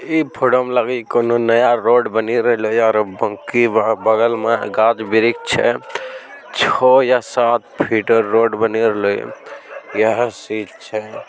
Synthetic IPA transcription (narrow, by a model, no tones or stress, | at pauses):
ipʰoɖomlaɡikononəjaɾoɖbəniɾəɦlojaɾbəŋkibəɡəlmeɡad͡ʒbiɾik̚t͡ʃʰɛ̰ | t͡ʃʰɔjasat̪̚pʰiʈəɾːoɖbəniɾəɦlo̰jəɦsid͡ʒt͡ʃʰɛ